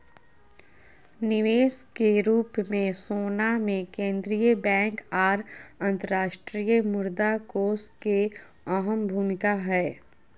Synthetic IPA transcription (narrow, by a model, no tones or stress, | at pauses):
nɪʋeːskeɾuːpmẽsoːnamẽkẽːnd̪ɾijəbɛ̃ːŋkaːɾə̃nt̪əɾaːʃʈɾijəmʊɾd̪akoːske | ɔɦəmbʱuːmɪkaɦɛː